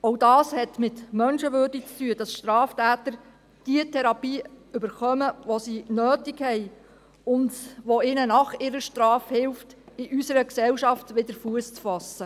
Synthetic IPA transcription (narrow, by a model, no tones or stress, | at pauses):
ɔwdɑːshɛtmɪtmœnʃəʋøːrdik̚t͡styəd̥ɑsʃtɾɑːftæːtəɾ | d̥iətʰɛɾɑpiːʏbəɾχœməʋɔsinøːtikhɛj | ʊndʋoɪnənɑχɪɾəʃtɾɑːfhɪlftɪʔysəɾəksɛwʃɑftʋɪdəɾfuəst͡sfɑsːə